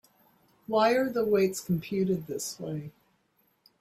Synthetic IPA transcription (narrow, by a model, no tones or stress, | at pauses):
waɪə˞ðəweɪtskʰm̩pʰj̥ʉɾɨd̪̚ðɪswḛɪ